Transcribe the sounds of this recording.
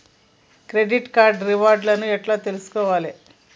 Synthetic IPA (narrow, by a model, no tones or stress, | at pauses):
kɾeɖiʈkaːɾɖɾiʋaːɾɖlɐnuɛʈlat̪elusu̥kɔʋaːle